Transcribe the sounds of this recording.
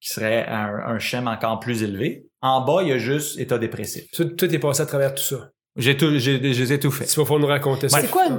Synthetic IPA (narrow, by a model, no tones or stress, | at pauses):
kʲi̥səʁɛ̃ə̰̃ʃɛmɑ̃kɑːʁplyzelve | ɑ̃bʌiɐʒʏst̪et̪ʌd̪epʁesɪ̰fsɔt̪ːt̪ɛpɑ̃seat̪χavɛːʁt̪u̥sɔ | ʒet̪uʒeʒezɛt̪ufɛsi̥pɔfɔ̃nuʁakɔ̃t̪esskwa